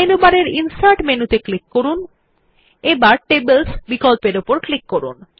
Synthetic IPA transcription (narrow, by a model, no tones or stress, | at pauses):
enubaɾeɾinsajʈmenut̪eklikːoɾun | ebaɾʈebelsbikɔlpeɾopoɾklikːoɾṵn